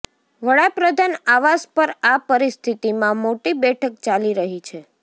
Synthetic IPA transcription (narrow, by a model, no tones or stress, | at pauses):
ʋəɽapɾəd̪ʱanaʋaspəɾapəɾist̪ʰit̪imãmoʈibɛʈʰək̚t͡ʃaliɾəɦit͡ʃʰe